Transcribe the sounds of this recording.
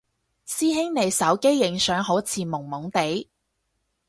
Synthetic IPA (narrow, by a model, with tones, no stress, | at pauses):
siː˥ɦɪ˥ŋne˨˧jsɐ˨˥wke˥jːɪ˨˥ŋsœː˨˥ŋɦo˨˥t͡sʰiː˧mʊ˨˩ŋmʊ˨˥ŋt̪e˨˥j